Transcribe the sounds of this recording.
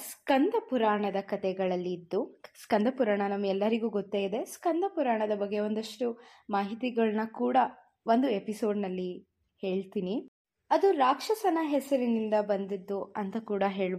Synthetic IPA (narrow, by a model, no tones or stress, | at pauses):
skɐnd̪ʱɐpuɾaːɳɐd̪ɐkɐt̪ɛɡɐɭɐlːiːd̪ːuskɐnd̪ʱɐpuɾaːɳɐnɐmːɐɡɛlːɐɾiɡuːɡot̪ːaːjid̪e̞skɐnd̪ʱɐpuɾaːɳɐd̪ɐbɐɡːe̞o̞nd̪ɐʂʈu | maːɦit̪iɡɐɭnɐkuːɽɐ | ʋo̞nd̪ue̞piso̞ːɖnɐlːi | he̞ːɭt̪ini | ɐd̪uɾaːkʂɐsɐnɐɦɛsɐɾinind̪ɐbɐnd̪id̪ːuɐnt̪ɐkuːɽɐɦe̞ːɭ